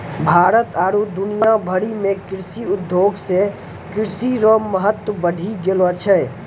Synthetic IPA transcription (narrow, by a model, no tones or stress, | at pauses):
bʱaːɾət̪aːɾud̪ʊnijabʱəɾimẽkɪɾsiʊd̪ʱːjoːɡse | kɪɾsiɾoːmːəɦət̪wəbəɖʱiɡeloət͡ʃʰɛ